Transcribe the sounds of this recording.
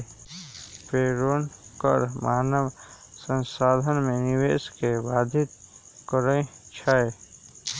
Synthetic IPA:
peːɾoːnkə̰ɾmaːnəʋ | sə̃nsaːd̪ʱənmẽnɪʋeːskeʋaːd̪ʱɪt̪ | kəɾəẽt͡ʃʰae

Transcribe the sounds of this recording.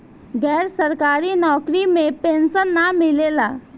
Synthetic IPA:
ɡɛːɾsəɾkaɾiːnɔkɾimepensənːamilela

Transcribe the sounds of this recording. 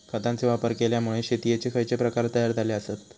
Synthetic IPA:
kʰət̪ãnt͡seʋapəɾkeljamuɭeɕet̪ijet͡sekʰəjt͡sepɾəkaɾt̪əjaɾd͡z̪aleəsat̪

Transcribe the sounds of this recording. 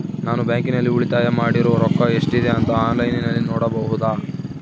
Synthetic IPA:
naːnubjaːŋkinɐlːiuɭit̪aːjɐmaːɽiɾɔʋɐɾɔkːɐeʂʈid̪e̞ɐnt̪ɐaːnlɐjninɐlːinoːɽɐbɐɦud̪aː

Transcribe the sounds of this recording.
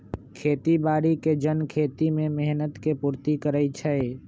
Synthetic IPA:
kʰet̪ibaːɾiked͡ʒənkʰet̪imemeɦnət̪kepuɾt̪ikəɾət͡ʃʰɛe

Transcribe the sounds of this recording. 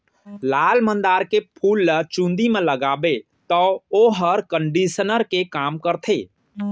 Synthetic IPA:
laːlmə̃nd̪aːɾkepʰuːlːət͡ʃũnd̪imẽləɡaːbe | t̪ɔoɦəɾkə̃ɳɖisənəɾkekaːmkəɾt̪ʰeː

